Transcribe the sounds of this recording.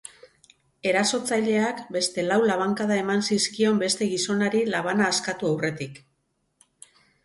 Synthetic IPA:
e̞ɾaso̞t͡saʎe̞akbe̞st̪e̞lawlaβaŋkaðae̞mansiskio̞mbe̞st̪e̞ɣiso̞naɾilaβ̞anaːskat̪uawre̞t̪ik

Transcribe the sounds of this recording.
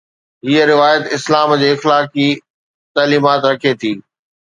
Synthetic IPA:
ɦiəɾɪʋaːjət̪ɪslaːmd͡ʑeːɪxlaːki | t̪aːliːmaːt̪ɾɐkʰet̪ʰiː

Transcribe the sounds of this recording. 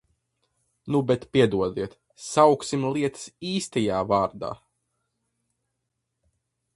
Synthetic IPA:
nubɛt̪piɛd̪uɔd̪iɛt̪ | sawksimlˠiɛt̪ɨ̥siːst̪ɛjaːvaːɾd̪a̰ː

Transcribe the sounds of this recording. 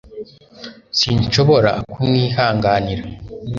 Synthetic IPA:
siːɲt͡ʃo̞βo̞ɾa̰kuniːɦaːŋɡaːniɾa

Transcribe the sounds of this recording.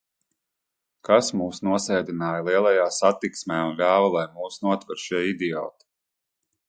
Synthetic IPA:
kasmuːsnuɔsɛjd̪inaːjlˠiɛlˠajaːsat̪iksmʲɛːunlʲaːvalˠajmuːsnuɔt̪vaɾʃiɛid̪iɔ̰ːt̪i̥

